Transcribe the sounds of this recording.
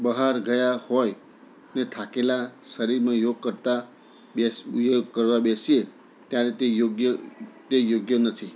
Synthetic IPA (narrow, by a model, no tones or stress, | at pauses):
bʌɦaɾɡʌjahoj | net̪ʰakelasʌɾiɾmajoɡ̚kʌɾt̪a | bsjoɡ̚kʌɾwabesie | t̪jãlet̪ejoɡjʌt̪jejoɡjʌnʌt̪ʰi